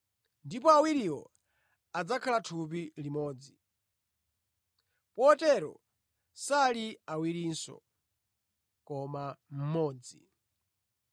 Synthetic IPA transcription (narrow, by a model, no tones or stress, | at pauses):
ndipɔawiɾiwɔ̰ | ad͡zakʰalatʰup̬ilimɔːd͡zi | pɔːtɛɾɔ̰ | saliawiɾinsɔ̰ | kɔmam̩mɔːd͡zi